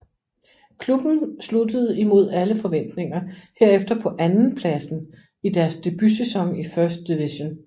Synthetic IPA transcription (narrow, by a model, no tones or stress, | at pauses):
kʰlub̥n̩slud̥əð̞̩ˠimo̝ð̞̰ˠæləfɒ̽ʋen̰d̥ne̝ŋɐhe̝ɐ̰efd̥ɐpʰɒ̽ʔænn̩pʰlæsn̩ | id̥æɐsd̥e̝b̥ysesɒ̽ŋifɶɐsd̥̚iʋiɕon